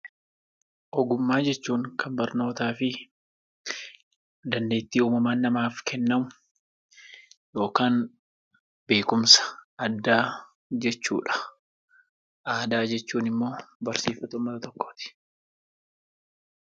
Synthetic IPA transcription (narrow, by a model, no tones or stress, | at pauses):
ʔɔɡʊmːaːd͡ʒɛt͡ʃːuːŋkʰɐmbɐɾno̞ːt̪aːfɪ | d̪ɐnd̪e̞ːt̪ːiːuːmɐmaːnːɐmaːfkʰɛnːɐmʊ | jo̞ːkaːn | b̥e̞ːkʊmsɐ̥ɐd̪ːaː | d͡ʒɛt͡ʃːṵːᶑɐ̥ | ʔaːd̪aːd͡ʒɛt͡ʃːuːnɪmːo̞ːbɐɾsiːfɐt̪ʊmːɐt̪ɐt̪ɔkːoːt̪ɪ̥